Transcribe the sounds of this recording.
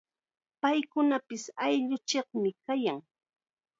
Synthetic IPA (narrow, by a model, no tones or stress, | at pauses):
pajkʊnapɪsajʎʊt͡ʃeχmɪkajaŋ